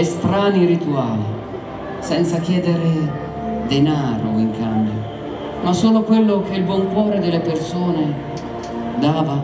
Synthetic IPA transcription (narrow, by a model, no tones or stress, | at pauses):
est̪ɾaːniɾit̪uaːli | sɛnt̪sak̟jɛːd̪eɾe | d̪enaːɾo̰iŋkambjo̰ | masoːlokwelːʊk̟eilbwɔŋkwɔːɾed̪ɪlepersoːne | d̪aːva